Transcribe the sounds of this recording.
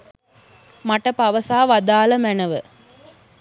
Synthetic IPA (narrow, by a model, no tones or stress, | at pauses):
maʈəpaʋəsaːʋad̪aːləmænəʋə